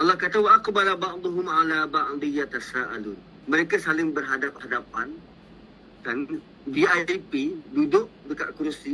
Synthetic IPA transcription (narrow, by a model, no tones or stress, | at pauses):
ʔɑlːɑhkat̪awaaqubalabɑʔd̪ˤuɦʊmalabaʔlijat̪asaʔalʊn | mə̃ɾekasalɪŋbərɦadap̚hadapan | kan | biajipidudʊk̚dəka̰ʔkuɾsi